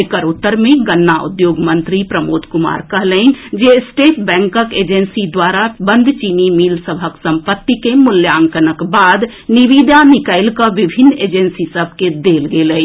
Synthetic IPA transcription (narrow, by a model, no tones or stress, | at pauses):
ekəɾut̪ːəɾmeɡənːaṵd̪joɡmənt̪ɾipɾəmod̪kuma̰ɾkəɦləɪnd͡ʒesʈeʈbɛ̃ŋkəked͡ʒensid̪waɾabənd̪ʱt͡ʃinimilsəbʱəksəmpət̪ːikemuljaŋkənəkbad̪ | niʋid̪anikəɪlkəʋibʱinːed͡ʒensisəbʱked̪elɡelə